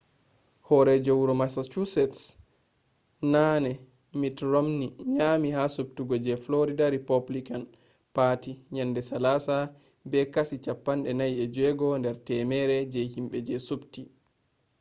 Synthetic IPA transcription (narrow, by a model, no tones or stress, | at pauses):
hɔɾɛd͡ʒawɾɔmasat͡ʃusɛts | nanɛ | mitɾomniɲamihasub̚tuɡɔd͡ʒɛfloɾidaɾipablikan | patiɲandɛsalasa | bɛkasit͡ʃapːanɗɛnajɛd͡ʒɛɡɔndɛɾtɛmɛɾɛd͡ʒɛhimɓɛd͡ʒɛsubti